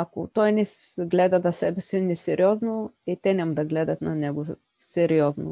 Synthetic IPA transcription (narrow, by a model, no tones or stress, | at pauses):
ako̰t̪ɔjnɛsɡlɛd̪ad̪ɐsɛbɛsinɛsɛɾiɔznoit̪ɛnɛmad̪ɐɡlɛd̪ɐt̪nanɛɡo | sɛɾiɔzno̰